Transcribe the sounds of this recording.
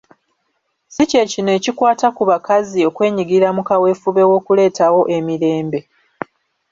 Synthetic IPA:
sice̞cinoe̞ːcikwaːtakuβakazio̞kwe̞ːɲiɡiɾamukawe̞fuβe̞wo̞ːkule̞ːtawo̞ʔe̞miɾe̞ːmbe̞

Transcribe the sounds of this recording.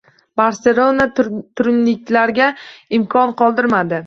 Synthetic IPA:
baɾse̞lˠo̞nat̪ʰʊɾɪnlɪk̚ʲlaɾɡʲaɪmkʰɒnqɒlˠd̪ɪɾmad̪ɪ

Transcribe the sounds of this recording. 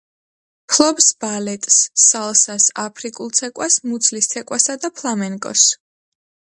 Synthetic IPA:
pʰlˠɔbsb̥alɛt̪ʼsːalˠsasapʰɾikʼulˠt̪sʰɛkʼwasmut̪sʰlist̪ʰɛkʼwasad̪apʰlˠamɛŋkʼɔ̰s

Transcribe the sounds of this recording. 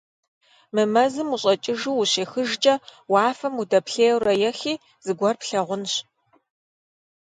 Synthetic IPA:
mɨmɐzɨmuɕʼɐt͡ʃʼɪʒuuɕeːxɨʒd͡ʒʼɐwɑːfɐmudɐpɬeːwrɐjɛxiː | z̥ɨɡʷɔrpɬɐʁʷʊnɕ

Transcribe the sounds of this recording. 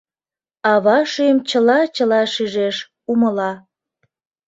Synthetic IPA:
ɑβɑʃyjəmt͡ɕəlɑt͡ɕəlɑʃyʒeʃ | uməlɑ

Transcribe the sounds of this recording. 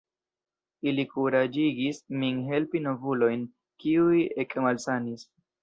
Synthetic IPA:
ilikuɾad͡ʒiɡismiŋɦe̞lpino̞vulo̞jn | kiujekmalsanis

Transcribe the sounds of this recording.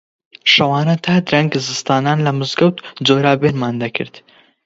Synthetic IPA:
ʃɐwaːnɐt̪ʰaːd̪ɾɐŋɡzɨst̪aːnaːnlɐmɨzɡɐwt̪d͡zoːɾaːbenmaːnd̪ɐkʰɨ̰ɾt̪

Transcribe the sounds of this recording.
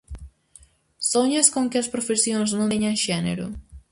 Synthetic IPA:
soɲɐskõŋkɪɐspɾofesjõŋznõɲɐŋʃɛnḛɾʊ̰

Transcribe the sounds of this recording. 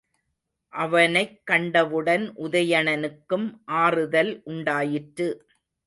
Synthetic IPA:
ʔɐʋɐnɐɪkːɐɳɖɐʋɯɽɐnʔʊðɐjɐɳɐnɯkːɯmʔaːrɯðɐlʔʊɳɖaːjɪʈɾɯ

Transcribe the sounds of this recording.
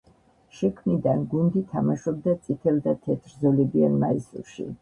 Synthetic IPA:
ʃɛkʰmnid̪anɡund̪it̪ʰamaʃɔb̚d̪at̪sʼit̪ʰɛld̪at̪ʰɛt̪ʰɾzɔlɛbia̰nmaisṵɾʃḭ

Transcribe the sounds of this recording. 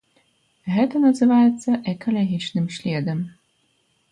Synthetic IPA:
ɣɛt̪ɐnɐzɨvajɛt̪sːɐʔɛkʰɐlʲɐɣʲit͡ʂnɨmɕʲlʲɛd̪ɐm

